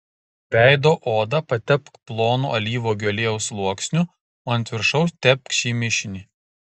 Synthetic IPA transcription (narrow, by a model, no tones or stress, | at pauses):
bʲæˑɪd̪oːʔoːd̪ɐpɐt̪ʲɛpkplˠoːnṵʔɐlʲiːʋoːɡʲoːlʲeːjɛʊslˠuɔksʲnʲʊ | oːɐnʲt̪ʲʋʲɪɾʃɐʊst̪ʲɛp̚ʲkʃʲiːmʲɪʃʲɪnʲiː